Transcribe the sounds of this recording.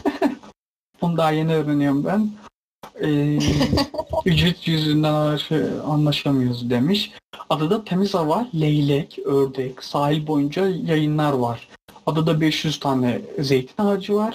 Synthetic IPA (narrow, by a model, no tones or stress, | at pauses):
b̥unud̪aːjeniøːɾenijombæn | ɛː | yd͡ʒvit̪jyzynd̪ænaɾʃejanlˠaʃamɯjoɾzd̪e̞miʃad̪ad̪at̪ʰe̞mizavalʲejlʲɛcøɾd̪ɛcsaːɦilʲbo̞jund͡ʒajajɯnlˠaɾvaɾ̥ad̪ad̪abɛʃjyz̥t̪ʰaːnɛze̞jt̪ʰi̥naad͡ʒɯvaɾ̥